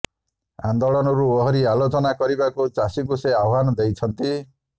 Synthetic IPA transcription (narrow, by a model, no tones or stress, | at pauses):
a̰nd̪oɭɔnɔɾuoɦɔɾialot͡ʃɔnakɔɾibakut͡ʃasikuseawɦanɔd̪ejt͡ʃʰɔnt̪i